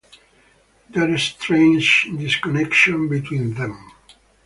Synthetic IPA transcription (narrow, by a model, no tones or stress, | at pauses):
d̪ɛɾest̪ʰɹẽnd͡ʒd̪iskɔnɛkʃɔ̃nbit̪ʰwĩnðɛ̃m